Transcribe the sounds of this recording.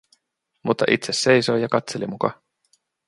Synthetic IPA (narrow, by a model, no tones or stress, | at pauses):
mut̪ːɑʔit̪sesːe̞jso̞jjɑkɑt̪se̞limukɑ̰